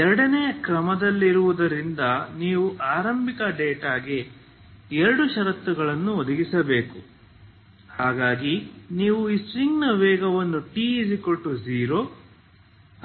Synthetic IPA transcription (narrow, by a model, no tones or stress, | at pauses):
ɛɾɐɽɐnɛjɐkɾɐmɐd̪ɐlːiɾuʋud̪ɐɾind̪ɐniːʋuʔaːɾɐmbʱikɐɖeːʈaːɡe | ɛɾɐɽuʃɐɾɐt̪ːuɡɐɭɐnːuɔd̪ɐɡisɐbe̞ːku | haːɡaːɡiniːʋuisɾiŋɡnɐʋɛːɡɐʋɐnːuʈiːsiko̞ʈːuziːɾoː